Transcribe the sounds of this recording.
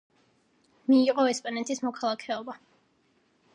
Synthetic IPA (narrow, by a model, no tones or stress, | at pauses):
miːqʼɔɛspʼanɛt̪ʰismɔkʰalˠakʰɛɔba